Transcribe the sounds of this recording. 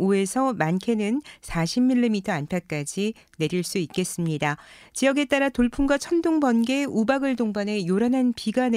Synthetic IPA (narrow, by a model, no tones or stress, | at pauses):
oe̞sʰʌmankʰe̞nɯnsʰaɕʰimːiɭːimitʰʌanpʰjak͈ad͡ʑi | ne̞ɾiɭs͈uik͈e̞s͈ɯmɲida | t͡ɕijʌɡe̞t͈aɾatoɭpʰumɡwat͡ɕʰʌndoŋbʌnɡe̞ubaɡɯɭdoŋbane̞joɾanɦanpiɡan